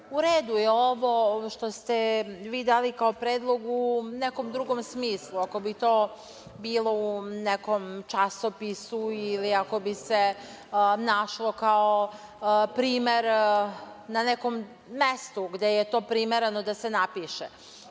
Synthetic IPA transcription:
uɾeːd̪ujeo̞ʋo̞ʃt̪o̞st̪eʋiːd̪aːlikaopɾeːd̪lˠo̞ɡunekomd̪ɾuɡo̞msmiːslˠuako̞bit̪o̞ː | biːlˠo̞uneko̞mt͡ʃasopisuiliako̞bise | naʃlˠo̞kao | pɾiːmeɾ | naneko̞mː | est̪uɡd̪e̞jet̪o̞ːpɾimeɾenod̪ase̞napiʃḛ

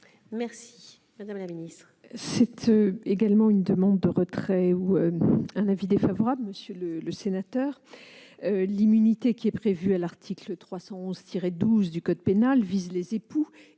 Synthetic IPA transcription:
mɛʁsi̥ | mad̪amlaminist̪χ | sɛt̪ʰøeɡalmɑ̃ynd̪əmɑ̃d̪̚ːəʁət̪χɛuøɛ̃navid̪efavɔʁabləməsjølələsenat̪œːʁ | ølimynit̪ekʲiɛpχevyalaʁt̪ʰiklət̪χwasɑ̃ɔ̃zt̪ʰiʁɛd̪uzd̪ykɔd̪penalvizlezepu

